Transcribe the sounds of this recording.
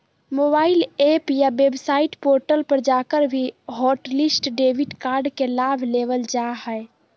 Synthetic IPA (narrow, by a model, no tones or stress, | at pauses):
mobaɪilepjabebsaiʈpoɾʈəlpəɾd͡ʒakəɾbʱiɦɔʈlisʈɖebiʈkaɾɖkelabʱleʋəld͡ʒaɦə